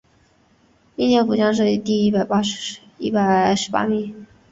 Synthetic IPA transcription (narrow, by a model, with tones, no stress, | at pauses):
i˥˧njɛ˥˩nfu˨˩t͡ɕjɑ˥ŋʂ̬ɤ˥˧i˧˩t̪i˥˧i˥˩pa˨˩ɪpa˥ʂ | i˥˩pa˨˩ɪʂɻ̩˧˥pa̰˥mi˨˩˦